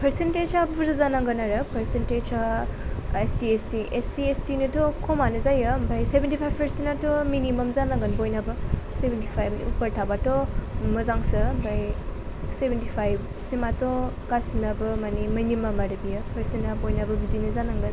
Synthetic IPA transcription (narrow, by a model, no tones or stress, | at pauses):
pʰɐɾsented͡ʒabbuɾɯzanaŋɡɐnaɾɯpʰɐɾsented͡ʒa | estiestiʔesiestinɯtɔkʰɔmanɐzajɐmbʱajsebentipʰajbpʰɐɾsenatominimɐmzanaŋɡɯnbojnabɯsebʱentipʰajb̰upɐɾtʰabatɔmɐzaŋsɐmbʱaj | sebʱentipʰajb | simatɔkasinabɯmaniminimɐmaɾɐbijɐpʰɐɾsenabojnabɐbizinɐzanaŋɡɐn